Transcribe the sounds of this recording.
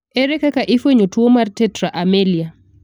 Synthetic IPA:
eɾɛkakaʔɪfweɲotwomartɛtɾaʔamelia

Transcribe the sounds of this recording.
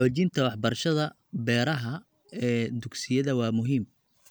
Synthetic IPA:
ħoːt͡ʃɪnt̪ʰɐwɑħbɐrʃɐðɐ | bɛːɾɐɦɐ | ɛːd̪ʊɡsɪjɐðɐwɑːmʊɦiːm

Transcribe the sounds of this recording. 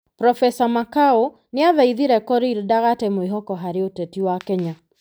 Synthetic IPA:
pɾɔfɛsamakao | nɪaðɛiðiɾɛkɔɾiɾdaɣatɛmoeɦɔkɔɦaɾeotetiwakɛɲa

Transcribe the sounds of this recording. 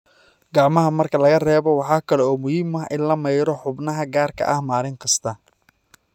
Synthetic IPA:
ɡɑʕmɐɦɐmɐrkʰɐlɐɣɐrɛːβɔwɑħɑːkʰɐlɛɔːmʊhiːmɐɦʔɪnlɐmɛjɾɔħʊbnɐɦɐɡaːrkʰɐ̰ʔɐhmaːlɪŋqɪst̪ʰɐ

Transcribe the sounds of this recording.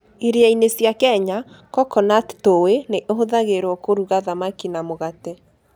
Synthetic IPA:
eɾeainesjakɛɲa | kɔkɔnattoweneʔoɦoðaɣeɾwɔkoɾuɣaðamakinamoɣatɛ

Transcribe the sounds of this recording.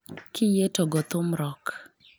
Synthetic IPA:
kʰɪjetoɡɔt̪ʊmɾɔk

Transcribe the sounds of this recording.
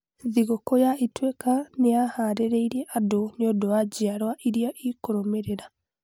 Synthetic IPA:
ðiɣokɔjaitwekaneahaːɾeɾeiɾiɛʔadoneodoad͡ʑiaɾwaʔiɾiaʔikoɾomeɾeɾa

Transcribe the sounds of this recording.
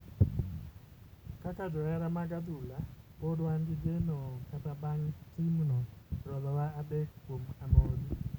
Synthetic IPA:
kakad͡ʒɔɾɛɾamaɡad̪ula | bodwanɡɪd͡ʒenɔkatabaŋtimnɔɾɔðɔwaːdekkwomamɔdi

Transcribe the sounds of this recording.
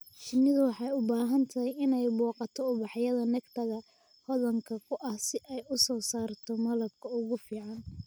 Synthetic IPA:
ʃɪnːɪðʊwɑħɑjʊbaːɦɐnt̪ʰɐɦɛjɪnɛjbɔːqɑt̪ʰɔʊβɑħjɐðɐnɛɡt̪ʰɐɣɐ | hɔðɐŋkʰɐkʰʊʔɐhsɪʔɛjʔʊsɔːsaːrt̪ʰɔmɐlɐb̚kʰɐʊɣʊfiːʕɑn

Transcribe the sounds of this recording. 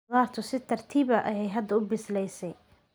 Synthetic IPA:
aːrt̪ʰɔsɪt̪ʰɐrt̪ʰiːβɐʔɐjɛjɦɐd̪ɐʊbɪslɛjsɛj

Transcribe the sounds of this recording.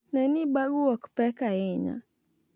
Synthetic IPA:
naniɓaɡuwaku̥pɛkajɛɲa̰

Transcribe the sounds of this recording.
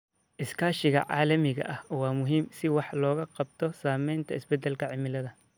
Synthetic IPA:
ʔɪskʰaːʃɪɣɐ̰ʕɑːlɐmɪɣɐ̰ʔɐhwɑːmʊɦiːmsɪwɑħlɔːɣɐqɑb̚t̪ʰɔsaːmɛjnt̪ʰɐɪsbɛd̪ɛlkʰɐʕɪmɪlɐðɐ

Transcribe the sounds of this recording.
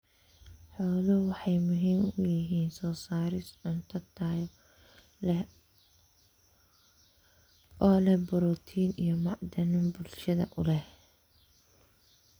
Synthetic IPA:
ħɔːlɔwɑħɑjmʊɦiːmʊjɪɦiːnsɔːsaːɾɪsʊnt̪ʰɐt̪ʰaːj | lɛ | ʔɔːlɛbɔɾɔt̪ʰiːnijɔmɑʕd̪ɐnɪmbʊlʃɐðɐ̰ʔʊlɛh

